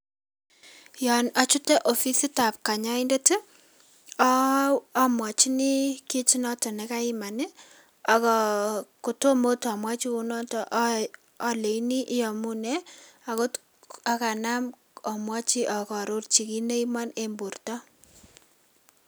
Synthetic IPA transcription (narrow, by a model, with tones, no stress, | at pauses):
jɔ˨na˨t͡ʃʊ˦tɛ˦ʔo˨fi˦si˦ta˨p̚ka˨ɲa˦ɪ˦nde˦tɪ˦ | mwa˨t͡ʃi˦nɪ˦ki˦t͡ʃi˦nɔ˦tɔ˨nɛ˨ka˦ɪ˦ma˨nɪ˦ | a˨kɔ˨ko˨to˦mo˦tɔ˨mwa˦t͡ʃi˦ʊ˦nɔ˦tɔ˦ʔː | le˨i˦ni˦ʔɪ˦jɔ˨mʊ˦nɛ˦a˨ko˦t | a˨ka˨na˦m | ɔ˨mwa˦t͡ʃi˦ʔɔ˨kɔ˨ɾo˦rt͡ʃi˨ki˦ne˦i˦ma˦ne˦mbu˨rtɔ˦